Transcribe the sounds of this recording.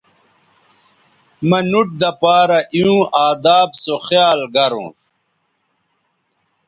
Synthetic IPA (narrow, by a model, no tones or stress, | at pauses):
mɐnuʈ̚d̪ɐpaːɾɐʔiũʔaːd̪aːbsoxjaːlɡɐɾṵ̃ː